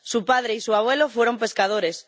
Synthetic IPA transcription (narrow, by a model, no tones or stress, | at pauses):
supað̞ɾeisuaβ̞welofweɾompe̞skað̞oɾes